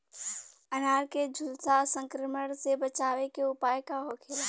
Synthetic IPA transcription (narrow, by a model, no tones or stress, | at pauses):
ənaːɾked͡ʒʱʊlsasə̃ŋkɾəməɽsebət͡ʃaːʋekeʊpaːjkaɦoːkʰeːla